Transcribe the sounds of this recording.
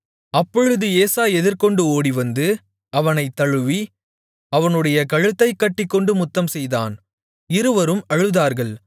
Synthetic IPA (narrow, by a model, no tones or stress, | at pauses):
ɐpːɔɻɯðɯeːsaːɛðɪɾkɔɳɖɯoːɽiʋɐnd̪ɯ | ɐʋɐnɐɪt̪ːɐɻɯʋi | ɐʋɐnɯɽɐjɐkɐɻɯt̪ːɐɪkːɐʈːɪkːɔɳɖɯmʊt̪ːɐmsɛjða̰ːn | ɪɾɯʋɐɾɯmɐɻɯðaːɾɣɐɭ